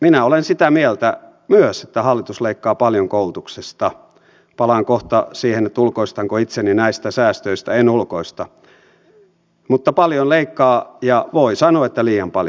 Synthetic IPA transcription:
minæolensit̪æmielt̪æ | myøset̪ːæhɑlːit̪usleikːɑːpɑljoŋkoult̪uksest̪ɑ | pɑlɑŋkoht̪ɑsiːhenet̪ulkoist̪ɑŋkoit̪seninæist̪æsæːst̪øist̪æenulkoist̪ɑ | mut̪ːɑpɑljonleikːɑːjɑʋoisɑnoɑet̪ːæliːjɑmpɑl

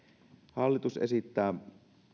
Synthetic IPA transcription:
hɑlːit̪usʔḛsit̪ːæː

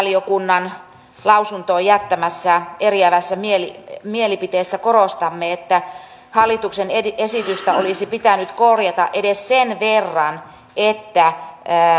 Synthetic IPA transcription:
liokunːɑn | lɑusunt̪oːjæt̪ːæmæsːæeriæʋæsːæmielimielipit̪eːsːækorost̪ɑmːeet̪ːæ | hɑlːit̪uksenesit̪yst̪æolisipit̪ænyt̪korjɑt̪ɑ̰ʔedessenʋerːɑn | et̪ːæː

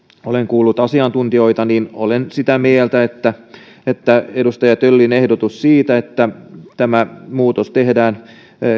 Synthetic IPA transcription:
oleŋkuːlːut̪ɑsiɑnt̪unt̪io̞it̪ɑniːnolensit̪æmielt̪æet̪ːæ | et̪ːæedust̪ɑjɑt̪ølːinehdot̪ussiːt̪æet̪ːæt̪æmæmuːt̪ost̪ehdæːn

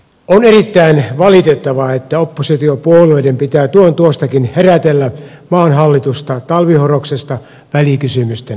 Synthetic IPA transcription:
onerit̪ːæinʋɑlit̪et̪ːɑʋɑet̪ːæopːosit̪iopuoleidempit̪æːt̪uont̪uost̪ɑkinheræt̪elːæmɑːnɦɑlːit̪ust̪ɑt̪ɑlʋihoroksest̪ɑ | ʋælikysymyst̪en

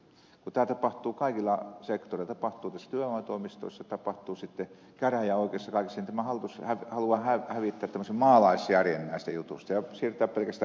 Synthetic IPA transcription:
kut̪æːt̪ɑpɑht̪uːkɑikilːˑɑsekt̪orilɑt̪ɑpɑht̪uːt̪æsːæt̪yæømɑˑt̪oˑimist̪o̰isːɑt̪ɑpɑht̪uːsit̪ːe | kæræjæoˑikeːˑsːɑkɑˑikisːɑnt̪æmæhɑlt̪ushæʋhɑluɑhæhæʋit̪ːæːt̪tæmːˑøsemmɑːlɑˑisjærjenːæːˑst̪æjut̪ṵst̪ɑjɑsiːrt̪æːppelkæst̪æ

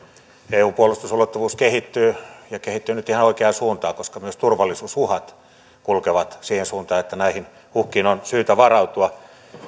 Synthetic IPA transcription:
eːuːpuolust̪usulot̪ːuʋuːskehit̪ːyːjɑkehit̪ːyːnyt̪ihɑnoikeɑsuːnt̪ɑːkoskɑmyøst̪urʋɑlːisuːsuhɑt̪ | kulkeʋɑt̪siːhensuːnt̪ɑːet̪ːænæihin | huhkiːnonsyːt̪æʋɑrɑut̪uɑ

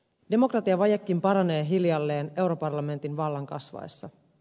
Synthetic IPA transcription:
de̞mo̞krɑt̪iɑʋɑjekːimpɑɾɑne̞ːɦiljɑlːe̞ːne̞wɾo̞pɑrlɑme̞nt̪inʋɑlːɑŋkɑ̰sʋɑ̰ḛsːɑ

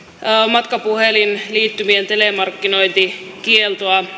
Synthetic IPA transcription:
mɑt̪kɑpuhelinliːt̪ːymient̪elemɑrkːino̞jnt̪ikielt̪oɑ

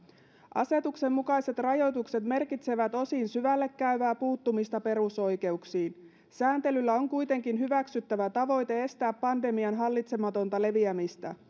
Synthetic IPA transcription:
ʔɑ̰se̞t̪ukse̞mːukɑjse̞t̪rɑjo̞jt̪ukse̞t̪me̞rkit̪seʋæt̪o̞sinsyʋælːe̞kːæyʋæːpuːt̪ːumist̪ɑpe̞ɾuso̞jke̞uksiːn | sæːnt̪e̞lylːæo̞ŋkujt̪e̞ŋkinɦyʋæksyt̪ːæʋæt̪ɑʋo̞jt̪e̞e̞st̪æːpːɑnde̞miɑnɦɑlːit̪se̞mɑt̪o̞nt̪ɑle̞ʋiæmist̪æ̰

